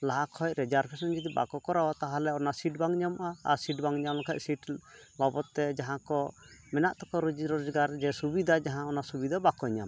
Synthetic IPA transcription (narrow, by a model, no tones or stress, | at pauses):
laɦakʰɔc̚ɾɛd͡ʒaɾpʰɛsɔnd͡ʒit̪iba̰kɔkɔɾawat̪aɦalɛɔnasiʈbaŋɲamʔaa̰siʈbaŋɲamlɔkʰa̰c̚siʈbabɔt̪ːɛd͡ʒaɦãkɔ | mɛnaʔt̪ɔkɔɾud͡ʒiɾɔd͡ʒɡaɾd͡ʒɛsubid̪ʱad͡ʒaɦãɔnasubid̪abakɔɲa̰m